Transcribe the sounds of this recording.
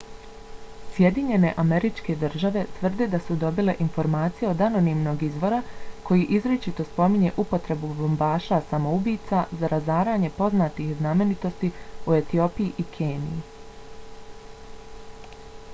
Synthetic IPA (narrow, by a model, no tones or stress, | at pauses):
sje̞d̪iɲe̞ne̞ʔame̞ɾit͡ʃke̞d̪rʒaʋe̞t̪ʋr̩d̪ed̪asud̪o̞bile̞ʔinfo̞ɾmaːt̪sije̞o̞d̪ano̞nimno̞ːɡizʋo̞ɾakʰo̞jiʔizɾet͡ʃit̪o̞spo̞miɲe̞ʔupo̞t̪ɾe̞bubombaːʃasamo̞ubiːt̪sazaɾʔazaːɾaːɲe̞po̞znaːt̪ixzname̞nit̪o̞st̪iue̞t̪io̞ːpijiʔikʰeːnḭji